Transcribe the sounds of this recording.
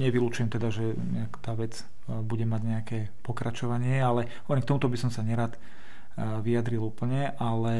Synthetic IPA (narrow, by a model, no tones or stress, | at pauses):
ɲɛʋilut͡ʃujɛmt̪ɛd̪aʒɛ | ɲɛakt̪aːʋɛd͡z | buɟɛmaɟɲɛakɛː | pɔkɾʔat͡ʃɔʋaɲɪɛalɛɦɔʋɛɾɛmkt̪ɔmut̪ɔbisɔmsaɲɛɾaːt̪ | ʋiad̪ɾiluːpl̩ɲɛʔalɛ